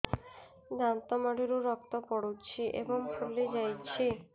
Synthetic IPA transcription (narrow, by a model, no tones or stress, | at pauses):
d̪ant̪ɔmaɽiɾuɾɔk̚t̪ɔpɔɽut͡ɕʰiʔḛboŋpʰolːed͡ʑajt͡ɕʰi